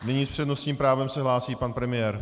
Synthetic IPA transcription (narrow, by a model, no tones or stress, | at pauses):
nɪɲiːspr̥ɛdno̞st̪ɲiːmpɾaːvɛmsɛɦlaːsiːpanpɾɛmɪjɛːɾ